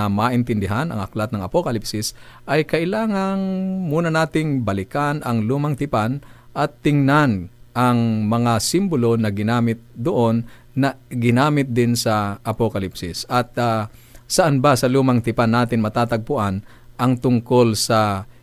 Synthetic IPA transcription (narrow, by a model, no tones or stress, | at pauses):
ɐmaːʔɪnt̪ɪnd̪ɪɦanʔɐ̰ŋʔɐklat̪̚nɐŋɐpokɐlɪpsɪsʔɐjkɐʔɪlaːŋɐŋmuːnɐnaːt̪ɪŋbɐlɪkanʔɐŋluːmɐŋt̪ɪpan | ʔɐt̪ːɪŋnanʔɐŋmɐŋasɪmbʊlo̞nɐɡɪnaːmɪt̪̚d̪oʔonː | ɐɡɪnaːmɪt̪̚d̪ɪnsɐʔɐpokɐlɪpsɪsʔɐt̪̚ | sɐʔanbasɐluːmɐŋt̪ɪpanːaːt̪ɪnmɐt̪aːt̪ɐɡ̚pʊʔan | ʔɐŋt̪ʊŋko̞lsɐ